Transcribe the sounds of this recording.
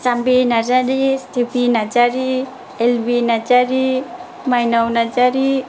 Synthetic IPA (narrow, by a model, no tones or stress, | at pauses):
sambinad͡ʒaɾist̪ipinad͡ʒaɾi | elbinad͡ʒaɾi | majnawnad͡ʒaɾi